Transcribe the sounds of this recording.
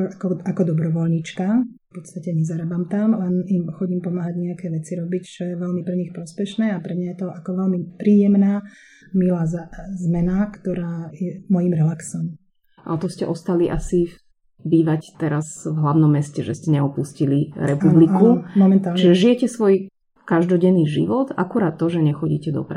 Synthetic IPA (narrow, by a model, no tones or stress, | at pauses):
akɔakɔd̪ɔbɾɔʋɔlɲit͡ʃkafpɔt̪st̪acɛɲɛzaɾabamt̪amlɛnimxɔɟiːmpɔmaːɦaɟɲɛakɛːʋɛt͡siɾɔbict͡ʃɔjɛʋɛlmipɾɛɲixpɾɔspɛʃnɛːapɾɛmɲajɛt̪ɔʔakɔʋɛlmipɾiːjɛmnaː | milaːzazmɛnakt̪ɔɾaːjɛmɔjimɾɛlaksɔm | a̰t̪ɔscɛʔɔst̪aliʔasi | biːʋact̪ɛɾazvɦlaʊnɔmːɛscɛʒɛscɛɲɛɔpusciliɾɛpublikːumɔmɛnt̪aːlt͡ʃiʒɛʒijɛcɛsʋɔj | kaʒd̪ɔɟɛnːiːʒḭʋɔt̪a̰kuɾaːt̪ːɔʒɛɲɛxɔɟḭːcɛd̪ɔ̰pɾa